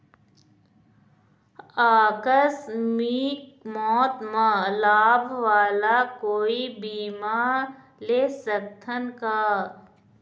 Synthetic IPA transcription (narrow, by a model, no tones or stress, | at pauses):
aːkəsmiːkmɔːt̪mãlaːbʱʋaːlakoːibiːma | leːsək̚t̪ʰənkaː